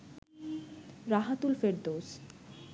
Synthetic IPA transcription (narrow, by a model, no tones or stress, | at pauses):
ɾaɦat̪ulfeɾd̪os